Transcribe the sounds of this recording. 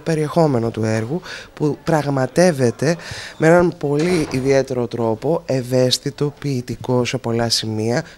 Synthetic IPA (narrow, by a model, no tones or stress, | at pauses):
pe̞ɾie̞xo̞me̞no̞t̪ueɾɣupupɾɐɣmɐt̪e̞ve̞t̪e̞meenɐnpo̞liiðie̞t̪e̞ɾo̞t̪ɾo̞po̞eve̞st̪it̪o̞piːt̪iko̞se̞po̞lɐsimiɐ